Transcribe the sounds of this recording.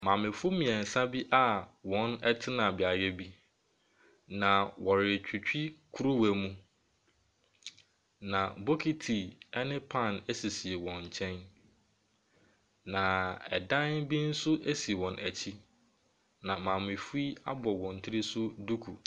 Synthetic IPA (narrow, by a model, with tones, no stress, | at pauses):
mã˨mɪ̃˨fʊ˦mĩ˨ɛ̃˨n̩˨sa˦bi˦ʔa˦wɔ̃˨˦nɛ˦tʰɪ˦nã˨bɪ˨a˨ɥɛ˦bi˦ | nã˨wɔ˨ɾɪ˨t͡ɕᶣi˨t͡ɕᶣi˦kʰu˦ɾu˦wæ˨mũ˦ | nã˨bo˦kʰi˦tʰi˨ɛ˦nɪ̃˦pʰã˦˨næ˦si˨si˨e˨wɔ̃˨ɲ̩˨t͡ɕʰɛ̃˦n | nã˨ɛ̰˨dã˦nbi˦n̩˦sʊ˦ʔe˦si˨wɔ̃˨nʔæ˨t͡ɕʰi˦ | nã˨mã˨mɪ̃˨fu˦i˦a˦bɔ˨wɔ̃˨n˨tʰɪ˦ɾi˦sʊ˦du˦kʰu˨